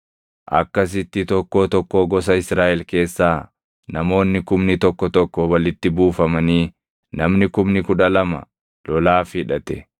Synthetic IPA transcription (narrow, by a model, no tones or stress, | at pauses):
ʔɐ̰kːɐs̬ɪt̪ːɪt̪ɔkːoːt̪ɔkːoːɡɔsɐɪsɾaːʔɛlke̞ːsːaː | nɐmo̞ːnːɪkʊmnɪt̪ɔkːɔt̪ɔkːɔwɐlɪt̪ːɪbuːfɐmɐniː | nɐmnɪkʊmnɪkʊᶑɐlɐmɐ̰ | lɔlaːfɪᶑɐt̪ɛ